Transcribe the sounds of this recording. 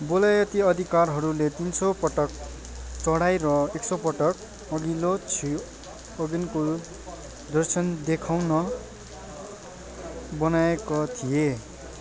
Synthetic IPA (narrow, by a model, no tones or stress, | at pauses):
bolajʌt̪iʌd̪ʱikarɦʌɾulet̪insopʌʈʌk̚ | t͡sʌɽajɾʌeksopʌʈʌk̚ | ʌɡilot͡sʰi | ʌɡinko | d̪ʌrsʰʌnd̪ekʰawnʌ | bʌnaekot̪ʰije